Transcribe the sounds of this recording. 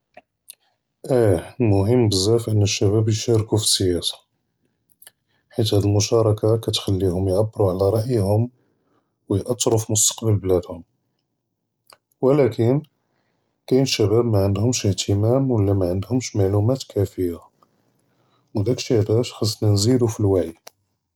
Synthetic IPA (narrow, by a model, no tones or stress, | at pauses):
ʔælmʊɦəmːbəzːæfʔənːəʃːæbæbjʃæɾkufi̥sːəjæsḁ | ħit̪hæd̪əlmʊʃɑɾˤɑkakæt̪xælːihʊmjʕabːɾuʕlæɾˤɑʔjhʊm | wəjʔɑt̪ˤːɾofimʊst̪ɑ̥qbəlblæd̪hʊm | wəlækʰən | kæjnəʃːæbæbmaʕənd̪hʊmʃəht̪ʰəmæmwəlːæmæʕənd̪hʊmʃmaʕlumæt̪kʰæfəjːa | wd̪ækʃæd̪æʃħɑsˤːnænzid̪ufilwaʕi